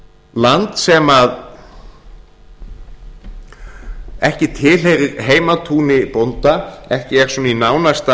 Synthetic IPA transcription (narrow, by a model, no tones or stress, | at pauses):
lant̪sɛmað | ɛhcɪt̪ʰɪːlejɾɪɾɦeːjmat̪ʰuːnɪpownt̪aɛhcɪɛɾ̥sɔninaːwnast̪a